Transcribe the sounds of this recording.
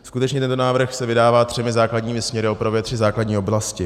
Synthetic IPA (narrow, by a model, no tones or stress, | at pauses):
skut̪ɛt͡ʃɲɛt̪ɛnt̪onaːvr̩xsɛvɪdaːvaːt̪r̝̥ɛmɪzaːkladɲiːmɪsmɲɛɾɪopɾovjɛt̪r̥ɪzaːkladɲiːoblascɪ